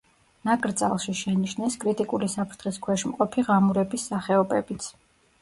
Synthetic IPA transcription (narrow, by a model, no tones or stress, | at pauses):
nakʼɾt̪sʼa̰lˠʃiʃɛniʃnɛskʼɾit̪ʼikʼulisapʰɾt̪ʰχiskʰwɛʃmqʼɔpʰiʁamuɾɛbisːaχɛɔbɛbit̪sʰ